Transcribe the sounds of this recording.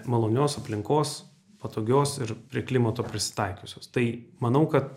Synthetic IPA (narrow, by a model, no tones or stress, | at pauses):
mɐlˠoːnʲoːsɐpʲlʲɪŋkoːs | pɐt̪oːɡʲoːsɪɾpʲɾʲiɛklʲɪmɐt̪oːpʲɾʲɪsʲɪ̥t̪ɐɪkʲʊsʲoːst̪ɐɪmɐnɐʊkɐt̪